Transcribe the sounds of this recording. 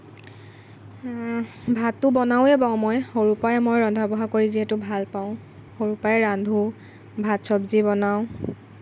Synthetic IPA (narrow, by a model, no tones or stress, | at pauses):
bʱatːʊbɔnaʊɛbaʊ̃mojhoɹupajɛmojɹɔndʱabɔɦakoɹiziɦɛtʊbʱalpaʊ̃ | hoɹupajɛɹandʱu | bʱatsɔbzibɔnaʊ̃